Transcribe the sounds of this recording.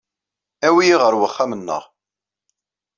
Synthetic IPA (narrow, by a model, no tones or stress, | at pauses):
æwijiʁəɾwəχːamənːə̰ʁ